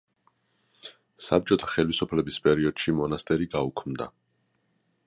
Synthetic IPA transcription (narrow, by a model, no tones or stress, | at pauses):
sa̰p̚t͡ʃʼɔt̪ʰḁχɛlisupʰlɛbispʼɛɾiɔd̪̥ʃimɔnast̪ʼɛɾiɡaukʰmd̪a̰